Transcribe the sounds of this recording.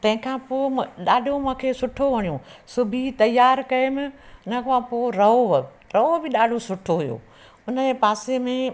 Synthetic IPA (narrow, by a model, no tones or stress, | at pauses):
t̪ɐ̃ɦɪ̃kʰãːpoːɗaːɖʱomũːkʰeːsʊʈʰoʋɐɽ̃ijũsʊbʱit̪ɐjaːɾkɐemɪ̃ʊnəkãpoːɾɐɦo | ɾɐobɪɗaːɖʱosʊʈʰoɦʊjo̰ː | ʊnəd͡ʑepaːsemẽ